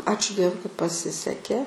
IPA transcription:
ˈɑːt͡ʃʲʊ ˈdʲiɛʋʊɪ kɐt pɐˈsʲɪsʲɛkʲeː

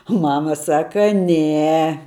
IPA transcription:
ʊ ˈmɑːmɐ ˈsɑːkɐ ˈnʲɛ

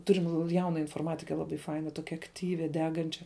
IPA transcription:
ˈtʊrʲɪm ˈjɛʊnɐ ɪnfoːrˈmɑːtʲɪkʲɛ ˈlˠɑːˌbɐɪ ˈfɐɪnɐ ˈtoːkʲɛ ɐkˈtʲiːʋʲɪ ˈdʲæːɡɐnʲt͡ʃʲɛ

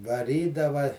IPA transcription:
ʋɐˈrʲiːdɐʋɐ

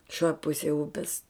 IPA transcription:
ʃʲoːj ˈpʊsʲeːj ˈʊpʲɛs

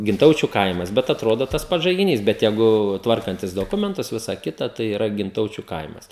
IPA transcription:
ɡʲɪnˈtɐʊt͡ʃʲʊ ˈkɐɪmɐs bʲɛt ɐtˈroːdoː tɐs ˈpɐts ʒɐɪɡʲɪˈnʲiːs bʲɛt ˈjɛɪɡʊ ˈtʋɐrkɐnʲtʲɪs doːˈkʊmʲɛntʊs ˈʋʲɪsɐ ˈkʲɪtɐ ˈtɐɪ iːˈrɐ ɡʲɪnˈtɐʊt͡ʃʲʊ ˈkɐɪmɐs

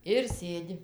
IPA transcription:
ɪr ˈsʲeːdʲɪ

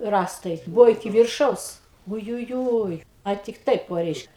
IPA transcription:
ˈrɑːstɐɪ ˈbʊʋoː ɪˈkʲɪ ʋʲɪrˈʃɐʊs ʊjʊˈjuːj ɐ ˈtʲɪk ˈtɐɪp ˈoː ˈrʲɛɪʃk

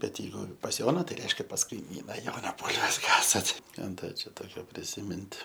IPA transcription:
bʲɛt jɛɪˈɡʊ pɐs ˈjoːnɐ tɐɪ ˈrʲɛɪʃʲkʲɛ pɐs kɐɪˈmʲiːnɐ ˈjoːnɐ ˈbuːlʲʋʲɛs ˈkɑːsɐt ˈkɑː ˈdɐ t͡ʃʲɛ ˈtoːkʲoː pʲrʲɪsʲɪˈmʲɪnt

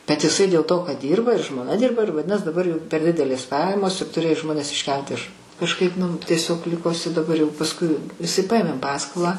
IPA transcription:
bʲɛt ɪˈsɐɪ dʲeːlˠ toː kɐt ˈdʲiːrbɐ ɪr ʒmoːˈnɐ ˈdʲɪrbɐ ɪr ʋɐˈdʲɪnɐs dɐˈbɐr jɛʊ pʲɛr ˈdʲɪdʲɛlʲeːs ˈpɑːjɛmoːs ɪr tʊˈrʲeːjoː ˈʒmoːnʲɛs ɪʃʲˈkʲɛlˠt ɪʃ kɐʃˈkɐɪp nʊ ˈtʲiɛsʲoːk ˈlʲɪkoː ɪˈsɐɪ dɐˈbɐr jɛʊ pɐsˈkʊɪ ɪˈsɐɪ ˈpɐeːmʲeːm ˈpɑːskoːlˠɑː

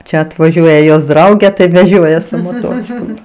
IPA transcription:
ˈt͡ʃʲɛ ɐtʋɐˈʒʲuɔjɛ joːs ˈdrɐʊɡʲeː tɐɪ ˈʋʲæːʒʲoːjɛ sʊ moːˈtoːt͡sʲɪklˠʊ

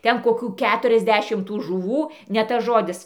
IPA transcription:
ˈtʲɛn koːˈkʲuː ˈkʲæːtʊrʲɛzʲˌdʲæːʃʲɪm tuː ʒʊˈʋuː nʲɛ ˈtɐs ˈʒoːdʲɪs

